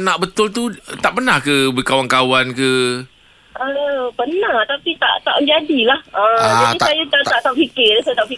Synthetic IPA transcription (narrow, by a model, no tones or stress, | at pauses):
naʔbət̪ʊlt̪̬ut̪aʔpənahkəbəkawaŋkawankə | kaləpənãht̪apit̪a̰ʔt̪a̰ʔəd͡ʒadilahəd͡ʒadiajat̪aaʔt̪aʔ̚pikɪɾəsat̪aʔfi